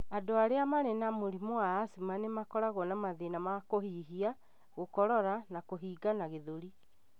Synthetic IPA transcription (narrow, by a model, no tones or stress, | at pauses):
adoaɾeamanɛnamoɾimoaːsimanemakɔɾaɣɔnamaðenamakohiɦia | ɣokɔɾɔɾanakoɦiːɡanaɣeðoɾi